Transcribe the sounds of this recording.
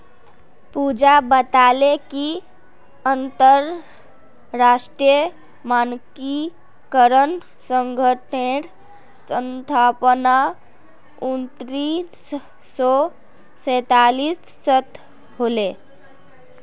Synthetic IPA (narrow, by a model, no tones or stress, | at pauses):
pud͡ʒabət̪aleki | ənt̪əɾː | asʈɾijə | manki | kəɾən | səŋɡʱəʈeɽ | sənt̪ʰapna | unt̪ɾins | sɔ | sət̪alisːət̪ʰ | ɦole